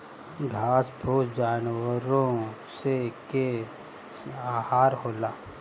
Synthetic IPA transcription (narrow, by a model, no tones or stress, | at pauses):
ɡʱaːsbʱoːt̪d͡ʒaːnwəɾõ | seke | aːhaːɾɦoːlaː